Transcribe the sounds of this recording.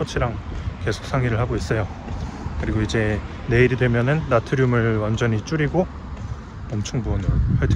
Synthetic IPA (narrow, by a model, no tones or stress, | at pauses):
ʌt͡ɕʰiɾaŋke̞sʰo̥k̚s͈ʰaŋɡiɾɯɭhaɡois͈ʌjo | kɯɾiɡoid͡ʑe̞ː | e̞iɾidwe̞mjʌnɯnːatʰɯɾjumɯɭwand͡ʑʌɲit͡ɕ͈uɾiɡo | mʌmt͡ɕʰʌŋbunɯɭɸwaɭtʰ